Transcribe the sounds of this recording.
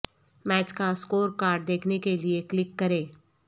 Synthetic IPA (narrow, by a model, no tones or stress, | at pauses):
mɛːt͡ʃkaskoːɾkaːɾɖ̚d̪eːkʰnekelieklɪkːɐɾeː